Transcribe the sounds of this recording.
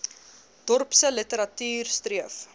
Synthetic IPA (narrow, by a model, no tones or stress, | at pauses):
d̥ɔrpsələtəɾɐtyːrstriəf